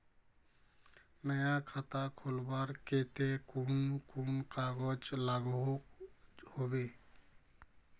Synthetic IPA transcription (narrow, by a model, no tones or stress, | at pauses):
məjakʰat̪akʰolbaɾket̪ekunkunkaɡɔd͡ʒlaɡo | hobe